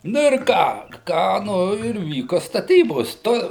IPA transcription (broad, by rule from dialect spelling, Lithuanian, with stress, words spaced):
ˈnʊ ɪr ˈkɑː ˈkɑː ˈnʊ ɪr ˈʋʲiːkoː stɐˈtʲiːboːs ˈtoː